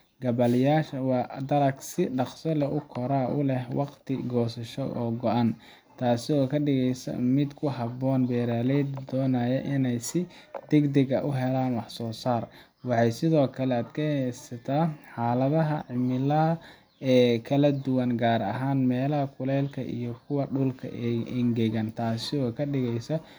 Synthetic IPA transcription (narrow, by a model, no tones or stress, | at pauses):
ɡɐbɐljaːʃɐwɑːd̪ɐɾɐɡsɪɖɑqsɐlɐʔʊkʰɔɾaːʔʊlɛhwɑqt̪ʰɪɡɔːsɐʃɔ̰ʔɔːɡɔʔɐn | t̪ʰaːsɪɔːkʰɐɖɪɣɛjsɐ̰mɪd̪kʰʊɦɑbɔːnbɛːɾaːlɛjd̪d̪ɔːnaːjɛʔɪnɛjsɪd̪̥ɛɡd̪ɐɡɐʔʊɦɛlaːnwɑħsɔːsaːr | wɑħɑjsɪðɔːkʰɐlɛad̪kʰɐsɐt̪ʰaːħaːlɐðɐɦɐʕɪmɪlɐɐ | ɛːkʰɐlɐd̪ʊwɐŋɡaːɾɐ̰ɦaːnmɛːlɐɦɐkʰʊlɛːlkʰɐ̰ʔḭjɞkʰʊwɐɖʊlkʰɐ̰ʔʔɪŋɡɛɣɐnt̪ʰaːsɪɔːkʰɐɖɪɣɛjsɐ